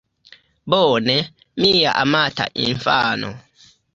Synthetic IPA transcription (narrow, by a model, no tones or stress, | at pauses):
bɔːnɛ | mijaʔamata̰ʔḭnfanɔ̰